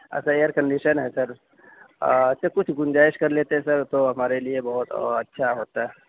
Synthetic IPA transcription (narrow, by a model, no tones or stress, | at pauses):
ɛ̰ːsaeːjəɾkəɳɖiʃənɦɛsɐɾ | sekʊt͡ʃʰɡʊnd͡ʒaːɪʃkɐɾleːt̪eɦɛ̃sɐɾt̪oɦɐmaːɾeliebɐɦʊt̪ɐtːʃʰaɦoːt̪aɦɛ